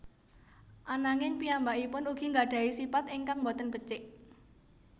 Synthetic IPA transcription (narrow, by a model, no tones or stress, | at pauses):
ʔanaŋɪŋpiambaʔipʊnuɡ̥i̤ŋɡaɖ̥a̤isipat̪ɪŋkaŋmbɔt̪ənb̥ə̤t͡ʃɪʔ